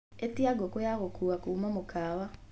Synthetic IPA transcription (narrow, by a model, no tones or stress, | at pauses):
etiaɡokojaɣokʰuɣakuːmamokaːwa